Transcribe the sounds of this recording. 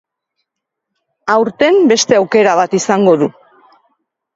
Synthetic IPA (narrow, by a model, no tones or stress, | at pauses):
awɾt̪e̞mbe̞st̪e̞awke̞ɾaβ̞at̪isaŋɡo̞ðu